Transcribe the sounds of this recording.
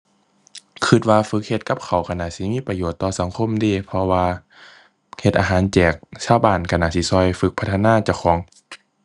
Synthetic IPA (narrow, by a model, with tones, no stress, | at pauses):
kʰɯ˧˩t̪̚waː˧fɯ˧˦k̚he˧t̪̚ka˧p̚kʰa˨˩wkʰa˧na˧˨si˧˦miː˧˥˨pa˧joː˨˩t̪ːɔː˧sa˨˦ŋkʰo˧˥˨mdiː˧˩pʰɔ˧waː˧ | he˧t̪̚ʔa̰ː˧ɦaː˨˦nt͡ɕɛː˨˩k̚sʰaː˧˨baː˧˩nkʰa˧˩na˧˨si˧˦sɔː˧˨jfɯ˧˦k̚pʰa˧t̪ʰːnaː˧˨t͡ɕa˧˩˨wkʰɔː˨˦ŋ